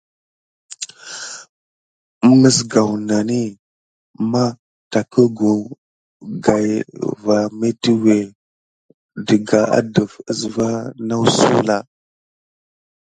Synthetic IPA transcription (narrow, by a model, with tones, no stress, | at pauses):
mə˦sɡa˨wna˨ni˦ | ma˦ | ta˨kə˦ɡu˨ | ɡa˨jva˨me˦ti˦we˨ | də˨ɡa˨a̰˦də˨fə˦sva˦na˦wsṵ˦la˨